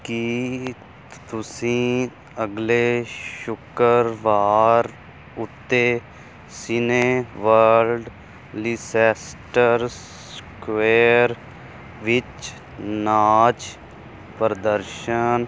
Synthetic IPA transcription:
ki | t̪ʊsĩː | əɡleʃʊkəɾʋaːɾ | ʊt̪ːeː | sɪneːʋəlɖ | liːsɛːsʈəɾs | kʋeːɾ | ʋɪt͡ʃ | naːt͡ʃ | pəɾəd̪əɾʃən

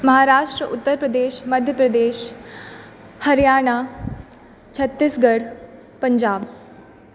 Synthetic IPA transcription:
mɐɦaːɾaːʃʈɾəʔʊt̪ːəɾpɾəd̪eːʃmɐd̪ʱjəpɾəd̪eːʃ | hɐɾijaːɽ̃a | t͡ɕʰɐt̪ːisɡɐɽ | pə̃ɲd͡ʑaːb

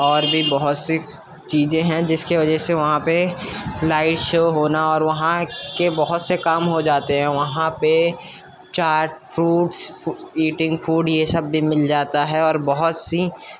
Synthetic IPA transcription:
ɔːɾbʱibɔɦʊt̪se | t͡ʃiːzẽɦɛ̃d͡ʒɪskiʋɐd͡ʒɛɦseʋɐɦãpelaːɪʈʃoːɦoːnaɔːɾʋɐɦãkebɔɦʊt̪sekaːmɦod͡ʒaːt̪eɦɛ̃ʋɐɦãpe | t͡ʃaːɾʈfɾuːʈsiːʈɪ̃ŋɡfuːɖjesɐbːimɪld͡ʒaːt̪aɦɛɔːɾbɔɦʊt̪si

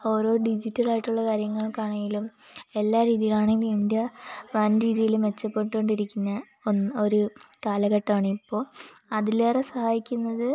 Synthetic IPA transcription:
o̞ːɾo̞ːɖid͡ʑitːɐlaːjiʈːuɭːɐkaːɾjɐŋːɐɭkaːɳɐŋɡilume̞lːaːɾiːðijilaːɳe̞ŋɡilumind̪jɐʋɐnɾiːðijilumet͡ɕːɐpːoɳʈoɳɖiɾikʲːunːɐ | onːo̞ɾukaːlɐɣɐʈːaːɳɨipːo̞ːɭɐðileːresɐhaːjikʲːunːɐðɨ

